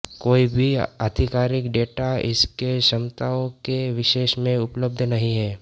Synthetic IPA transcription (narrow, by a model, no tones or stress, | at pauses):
koːibʱiad̪ʱɪkaːɾɪkɖeːʈaɪskeʃɐmt̪aõkeʋɪʃeːʃmẽʊpləb̚d̪ʱnɐɦĩɦɛː